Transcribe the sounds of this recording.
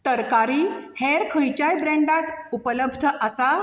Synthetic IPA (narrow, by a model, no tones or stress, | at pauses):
t̪əɾkaɾiːheɾkʰəjt͡ɕajbɾɛ̃ɳɖak̪upələbʱd̪ʱəʔasa